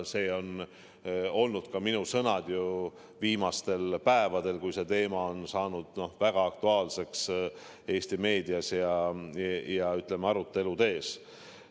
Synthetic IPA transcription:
se̞ːo̞n | o̞lnud̪̥kɑminusɤ̞nɑd̪̥ju | viːmɑst̪e̞lpæe̞vɑd̪̥e̞lkujse̞t̪e̞ːmɑo̞nsɑːnud̪̥no̞hvæɡ̥ɑɑk̚t̪uɑːlse̞ks | e̞ːst̪ime̞ːd̪iɑsjɑ | jɑyt̪ːˑlemeɑɾut̪ːˑe̞lut̪e̞ːs

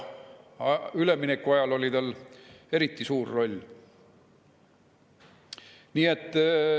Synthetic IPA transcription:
yleminekːuɑjɑlo̞lʲit̪ɑle̞ɾit̪ˑːisuːrːo̞lʲː | niːe̞t̪ˑː

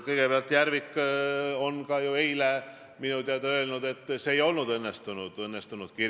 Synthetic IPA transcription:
kɤjɡ̥e̞peɑlt̪ːˑjæɾvikː | o̞nkɑjuejle | minud̪eɑd̪ɑø̞lnud̪e̞t̪ːseːjo̞lnud̪ɤnːest̪unud̪̥ɤnːest̪unud̪̥ki

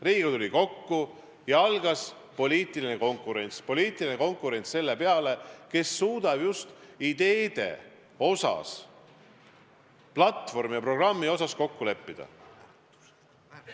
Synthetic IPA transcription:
riːɡ̥ut̪ulʲiko̞kːu | jɑɑlɡ̥ɑs | po̞lʲiːt̪ˑilineko̞ŋkːˑuɾe̞nʲt̪spo̞liːt̪ˑilineko̞ŋkˑuɾe̞nʲt̪sse̞lːe̞pe̞ɑle̞ke̞sːuːd̪̥ɑb̥just̪id̪̥e̞ːd̪̥e̞̰ | o̞sɑ̰s | plɑt̪ːfo̞rmijɑpro̞ɡ̥rɑmːio̞sɑsko̞kːule̞pːid̪̥ɑ̰

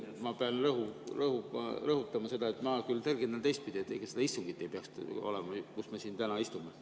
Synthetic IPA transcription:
mɑpeɑnrɤɦurɤhuɑ̰rɤhut̪ːˑɑmɑse̞d̪ɑe̞t̪ːˑmɑkylt̪erɡend̪ɑnt̪e̞jst̪pid̪ʲiet̪ːˑḛkɑsed̪ɑist̪uŋɡit̪ːˑe̞jpeɑkst̪o̞̰lemɑkusmesiːnt̪ænɑist̪ume

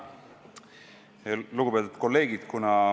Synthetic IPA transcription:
luɡ̥upet̪ut̪ko̞lːe̞ːɡid̪̥kunɑ

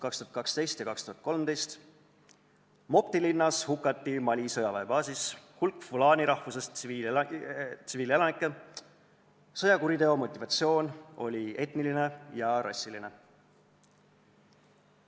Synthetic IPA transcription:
kɑkst̪uɑt̪kɑkst̪e̞jst̪jɑkɑkst̪uɦɑt̪̚ko̞lmd̪e̞jst̪ | mo̞pt̪ilinːɑshukːˑɑt̪ːimɑlʲisɤjɑvɑeb̥ɑːsishulkːˑfulɑːniɾɑhfusesii | t̪siviːle̞lɑnikːˑe | sɤjɑkuɾid̪e̞o̞mo̞t̪ʲːˑivɑt̪sio̞ːno̞lʲie̞t̪niline̞jɑɾʔɑ̰sːiline̞

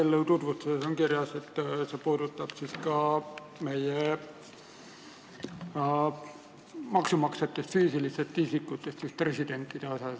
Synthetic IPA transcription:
elːelt̪ut̪vut̪ːɑsesoŋkirjɑse̞t̪ːsepuːd̪̥ut̪ːɑb̥siskɑ | me̞je | mɑksumɑkset̪ːe̞st̪fyːsiliset̪ːisikːˑut̪ːˑe̞st̪sispre̞sid̪̥e̞nt̪ˑːid̪̥eo̞sɑs

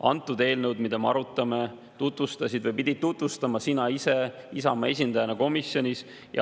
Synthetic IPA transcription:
ɑnt̪ːˑud̪e̞ːlnɤwd̪mid̪̥emeɑɾut̪ːˑɑme | t̪ut̪vust̪ɑsid̪vɨjpid̪̥ʲid̪̚t̪ːut̪vust̪ɑmɑsinɑise | isɑmɑe̞s̬ʲind̪̥ɑjɑnɑko̞misjo̞nʲis | jɑ̰

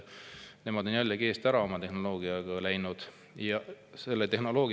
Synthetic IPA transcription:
ne̞mɑd̪̥o̞njælʲːɑkeːst̪æɾɑo̞mɑt̪e̞hno̞lo̞ːɡ̥iɑɡ̥ɑlæjnud̪̥ | jɑ | se̞lːet̪e̞ɦno̞lo̞ːɡ

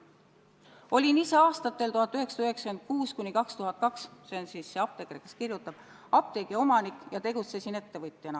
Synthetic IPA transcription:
o̞lʲinise̞ɑːst̪ɑt̪ːˑe̞lt̪uɦɑt̪ːˑyɦe̞ksɑ̥yɦe̞ksɑkend̪̥̚kuːskunʲikɑkst̪uɦɑt̪̚ˑkɑkssensiːsːeɑp̚t̪e̞kɾekeskirjut̪ːˑɑb̥ | ɑp̚t̪e̞ɡ̥eo̞mɑnikːˑjɑt̪e̞ɡ̥ut̪sesine̞t̪ːe̞vɯt̪ˑjɑnɑ

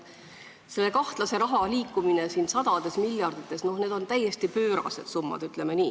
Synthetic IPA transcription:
se̞lːe̞kɑht̪lɑse̞ɾɑɦɑliːkːuminesiːnsɑd̪̥ɑd̪̥e̞smiljɑrd̪̥it̪ːˑe̞sno̞hne̞ːd̪o̞nt̪æje̞st̪ipøːɾɑ̰se̞d̪̥sumːɑ̰d̪̥yt̪ˑle̞meniː

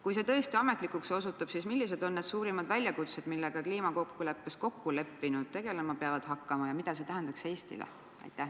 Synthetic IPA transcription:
kujse̞t̪ɤ̞est̪iɑme̞t̪likˑuksosut̪ːˑɑb̥sismilːise̞d̪o̞nːed̪̥suːɾimɑd̪̥vælʲjɑkut̪se̞d̪milːe̞ɡ̥ɑkliːmɑkokːulepːesko̞kːule̞pːinud̪̥̚t̪e̞ɡ̥e̞lemɑpeɑvɑd̪̥hɑkːɑmɑjɑmid̪̥ɑs̬e̞t̪æɦænd̪̥ɑkse̞ːst̪ḭlḛ | ɑ̰jt̪ːˑæ

